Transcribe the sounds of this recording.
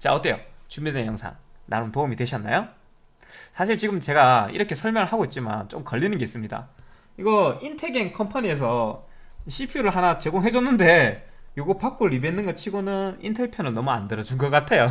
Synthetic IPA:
t͡ɕa̰ot͈ejo̰t͡ɕumidejʌŋsʰa̰ŋna̰ɾɯntoɯmitwe̞ɕʰʌnːa̰jo | sʰaɕ̬ʰiɭt͡ɕiɡɯmt͡ɕe̞ɡaḭɾʌkʰe̞sʰʌɭmjʌŋɯɭɦaɡoit̚t͡ɕ͈ima̰nt͡ɕomkʌʎːinɯnɡe̞is͈ɯmɲida̰ | iɡʌintʰe̞ɡenkʰʌmpʰaɲies̬ʰʌ | ɕʰipʰuɾɯɭɦanat͡ɕe̞ɡoŋɦe̞d͡ʑoʌnːɯnde̞ | joɡopak͈oɭibenːɯnɡʌt͡ɕʰiɡonɯnḭntʰeɭpʰjonɯɭnʌmua̰ndeɾʌd͡ʑunɡʌk͈atʰe̞jo

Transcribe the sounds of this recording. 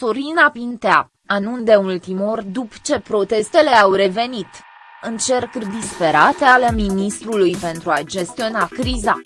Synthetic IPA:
soɾinapint̪ea | anund̪e̞ult̪imorʲd̪upt͡ʃe̞pɾo̞t̪e̞st̪e̞le̞awre̞ve̞nit̪ | ɨnt͡ʃe̞rkd̪ispe̞ɾat̪ealeminist̪ɾulujpe̞nt̪ɾuad͡ʒe̞st̪io̞nakɾiza

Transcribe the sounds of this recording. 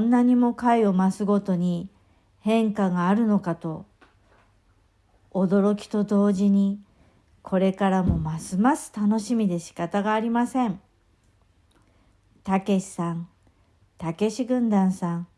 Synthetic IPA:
onːaɲ̟imo̞kaio̞masɨɡo̞t̪o̞ɲ̟i | hẽ̞ŋkaɡaːɾɯ̟no̞kat̪o̞ | d̪o̞ɾo̞kʲi̥t̪o̞d̪o̞ːʑiɲ̟i | kʰo̞ɾe̞kaɾamo̞masɨmasɨ̥t̪ano̞ɕimʲid̪e̞ɕi̥kat̪aɡaːɾʲimasẽ̞ɴ | t̪ake̞ɕi̥sãn | t̪ake̞ɕiɡɯ̟̃nd̪ãɰ̃sãŋ

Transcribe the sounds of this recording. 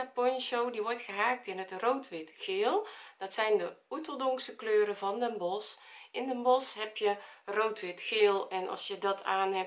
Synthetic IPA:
apɔnʃowdiʋɔɹtχəɦaːk̚tɪnɦətrowtʋɪtχɪːlˠd̥ɑtsɛjndəutəlˠdɔŋksəkløːɾəvɑndəmbɔsʔɪndəmbɔsɦɛpjərowtʋɪtχɪːlˠɛnʔɑ̰lˠsjədɑtʰaːnɦɛp̚

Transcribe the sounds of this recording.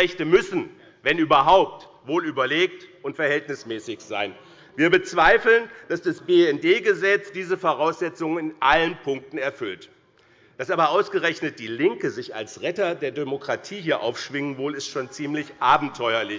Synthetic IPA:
ɛçtəmʏsn̩ | vɛnyːbɐɦaʊp̚t | voːlyːbɐleːk̚tʔʊntfɛɐhɛltnɪsmɛːsɪçz̥a̰ɪn | viːɐbət͡sv̥aɪfl̩nd̥asd̥asb̥eːɛndeːɡəzɛt͡sd̥iːzəfoʁaʊsz̥ɛt͡sʊŋənɪnʔalənpʰʊŋk̚tn̩ɛɐfʏlt | d̥asʔaːbɐʔaʊsɡ̥əʁɛçnət̚d̥iːlɪŋkəzɪça̰lsʁɛtɐdeːɐdemokʁ̥atʰiːɦiːɐʔa̰ʊfʃv̥ɪŋənvoːlɪstʃoːnt͡siːmlɪçʔaːbm̩tʰɔʏɐlɪ

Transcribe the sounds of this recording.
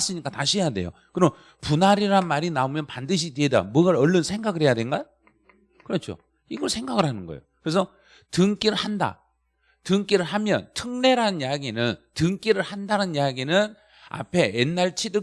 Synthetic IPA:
s͈ɯɲik͈ataɕʰijade̞̰jo̰kɯɾʌm | punaɾiɾanmaɾinaumjʌnpandɯɕʰideeda̰mwʌɡaɾʌɭːʌnsʰeŋɡaɡɯɾɦhe̞jadwe̞nɡa | kɯɾʌt͡ɕʰo̰ | iɡʌɭsʰe̞ŋɡaɡɯɭɦanɯnɡʌ̰jokɯɾes̬ʰʌ | tɯŋk͈iɾɯɭhanda̰ | tɯŋk͈iɾɯɭɦamjʌ̰ntʰɯŋne̞ɾanjaɡinɯntɯŋk͈iɾɯɭhandaɾanjaɡinɯn | a̰pʰe̞enːaɭt͡ɕʰidɯ

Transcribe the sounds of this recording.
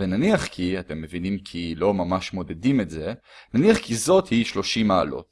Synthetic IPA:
venaniaχkʰiate̞mːevinimkʰilo̞mamaʃmo̞dedimetze̞ | naniaχkizo̞thiʃlo̞ʃima̰ːlo̞̰t̚

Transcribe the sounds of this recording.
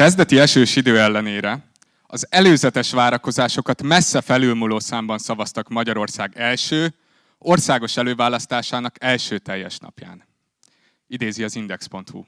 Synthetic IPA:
ɛzd̪ɛt̪iɛʃøːʃid̪øːɛlːɛneːɾɛ | ɒzɛløːzɛt̪ɛʃʋaːɾɒko̞zaːʃo̞kɒt̪mɛsːɛfɛlylmuloːsaːmbɒnsɒvɒst̪ɒkmɒɟɒɾo̞rsaːɡɛlʃøː | o̞rsaːɡo̞ʃɛløːvaːlɒst̪aːʃaːnɒkɛlʃøːt̪ɛjːɛʃnɒ̰pja̰ːn | id̪eːziɒzind̪ɛkspo̞nt̪hṵ

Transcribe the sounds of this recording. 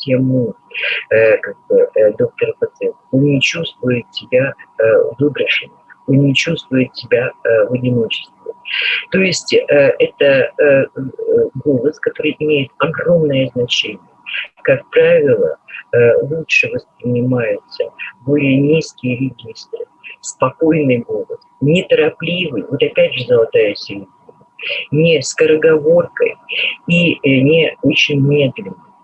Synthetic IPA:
tʲemu | kaɡ̚bɨd̪o̞k̚t̪ərpɐt̪sɨɛt̪onnʲɪt͡ɕust̪vʊjɪt̪̚sʲɪbʲavɨbɾəʂɨnəonnʲɪt͡ɕust̪vʊjɪt̪̚sʲɪbʲavɐdʲɪno̞t͡ɕɪ̥st̪vvə̰t̪o̞jɪsʲtʲɛt̪ə | ɡo̞lˠəskɐt̪o̞ɾɨjʔɪmʲejɪt̪ɐɡro̞mnəjəznɐt͡ɕenʲɪjəkak̚pɾavʲɪlˠə̰ | lˠutʂɨvəspɾʲɪnʲɪmajʊt̪səbo̞lʲɪjənʲiskʲɪjəɾʲɪɡʲist̪rɨ | spɐko̞jnɨjɡo̞lˠəsnʲɪt̪əɾɐplʲivɨjvo̞t̪ɐpʲædʲʐɨzəlˠɐt̪ajʊsʲɪɾʲɪdʲɪnʲʊnʲɪskəɾəɡɐvo̞rkə̰jinʲɪo̞t͡ɕːɪnʲmʲe̞d̪lʲɪnːɨj

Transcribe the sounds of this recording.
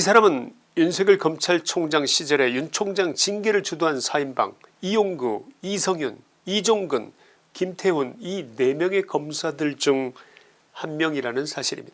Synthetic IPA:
isʰaɾamɯn | junsʰe̞ɡɯɭkʌmt͡ɕʰaɭt͡ɕʰoŋd͡ʑaŋɕʰid͡ʑʌɾe̞junt͡ɕʰoŋd͡ʑaŋt͡ɕinɡeɾɯɭt͡ɕudoɦansʰaimba̰ŋijoŋɡuisʰʌŋjun | id͡ʑoŋɡɯn | kimtʰe̞unine̞mjʌŋe̞kʌmsʰadɯɭd͡ʑɯŋ | hanmjʌŋiɾanɯnsʰaɕʰiɾḭmɲidaa

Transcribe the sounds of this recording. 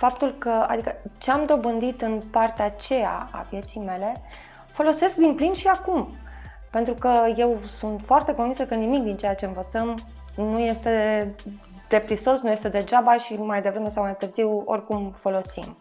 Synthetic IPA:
fap̚t̪ulkəa̰d̪ikət͡ʃeamd̪o̞bɨnd̪it̪ɨnpart̪eat͡ʃe̞ja̰a̰vje̞t̪sijme̞le̞ | fo̞lo̞se̞sk̚d̪implinʃiakum | pe̞nt̪ɾukəje̞wsunt̪foart̪eko̞nvinsəkənimik̚d̪int͡ʃejat͡ʃe̞ɨnvət̪səm | nuje̞st̪e̞ | d̪̥e̞pɾiso̞snuje̞st̪e̞d̪e̞d͡ʒabaʃimajd̪e̞vɾe̞me̞sawmajt̪ɨrziwo̞̰rʲkumfo̞lo̞sḭm

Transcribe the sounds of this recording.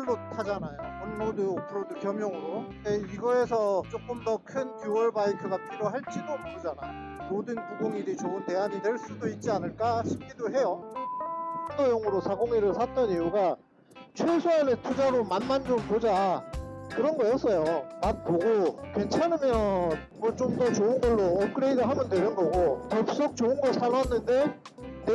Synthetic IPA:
ɭːotʰad͡ʑanajoʌnmoduopʰɯɾodukjʌmjʌŋɯɾodeiɡʌes̬ʰʌt͡ɕ͈ok͈ɯmdʌkʰɯnkjuwʌɭbaitʰɯɡapʰiɾoɦaɭt͡ɕ͈idomoɯd͡ʑanajo | modɯnkuɡoŋiɾit͡ɕoɯnte̞ɦaɲitwe̞ɭs͈udoit̚t͡ɕ͈ianɯɭk͈aɕʰi̥p̚k͈idoɦe̞jo | andojoŋɯɾosʰaɡoŋiɾɯɭsʰat͈ʌnijuɡa | t͡ɕʰwesʰoanetʰud͡ʑaɾomanmand͡ʑompod͡ʑa | kɯɾʌnɡʌjʌs͈ʌjomat̚poɡokwe̞nt͡ɕʰanɯmjʌn | mʌt͡ɕomdʌt͡ɕoɯnɡʌɭːoʌp̚k͈ɯɾeidaɦamjʌndwe̞nɯnɡʌɡopʌp̚s͈ok̚t͡ɕoɯnɡʌsʰaɭɦanːɯnde̞ | ne

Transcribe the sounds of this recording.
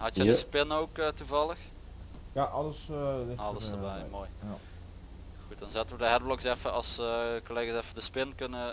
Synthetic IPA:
ɦɑtjjədəspɪnoːkətuvɑlˠəx | jaʔɑləsɑlˠəsəbɛjmoːj | ɣut̚dɑnzɛtəʋədəɦɛd̚blɔksɛfəʔɑsəkoleːɣasɛfədəspɪnkɵnə

